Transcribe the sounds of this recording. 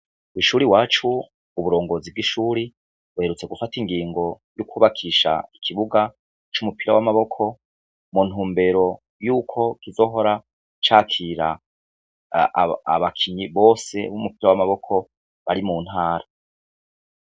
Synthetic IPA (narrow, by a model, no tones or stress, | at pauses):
wiʃuːɾiwaːt͡ʃuː | βuɾo̞ːŋɡo̞ːzivɡiʃuːɾi | βuhe̞ɾut͡se̞ɡufatiŋɡiːŋɡo̞ | jukuːβakʰiːʃa̰ikʰiβuɡa | t͡ʃumupiɾawamaβo̞kʰo̞ | mun̥huːmbe̞ɾo̞ | juːkʰo̞kizo̞ːɦo̞ɾa | t͡ʃaːkʰiɾa̰ | βakʰiɲiβo̞ːse̞̰βumupiɾawamaβo̞kʰo̞ | βaɾimuːn̥haːɾa